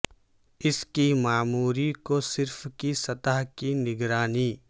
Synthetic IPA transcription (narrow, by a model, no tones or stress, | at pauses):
ɪskimaːmuːɾikosɪɾfkisɐt̪aɦkinɪɡɾaːniː